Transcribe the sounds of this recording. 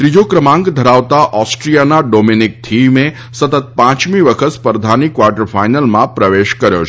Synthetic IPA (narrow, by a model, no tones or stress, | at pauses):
t̪ɾid͡ʒokɾəmãŋɡd̪ʱəɾaʋt̪aʔɔsʈɾijanaɖominik̚t̪ʰime | sət̪ət̪̚pãt͡ʃmiʋəkʰət̪spəɾd̪ʱanikʋaɾʈəɾfajnəlmãpɾəʋeʃkəɾjo̰t͡ʃʰ